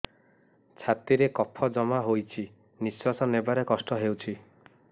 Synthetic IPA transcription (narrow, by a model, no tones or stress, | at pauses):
t͡ʃʰat̪iɾekɔpʰɔd͡ʒɔmaɦojt͡ʃʰi | niswasɔnebaɾekɔsʈɔɦewt͡ʃʰi